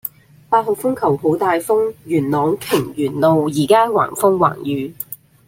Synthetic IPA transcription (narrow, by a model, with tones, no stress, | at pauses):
paː˧t̚ho˨˩kfʊ˥ŋkʰɐ˨˩who˨˥wt̪aː˨jfʊ˥ŋjyː˨˩nlɔː˨˥ŋkʰɪ˨˩ŋjyː˨˩nlo˨wjiː˨˩kaː˥wa̰ː˨˩ŋfʊ˥ŋwa̰ː˨˩ŋjyː˨˦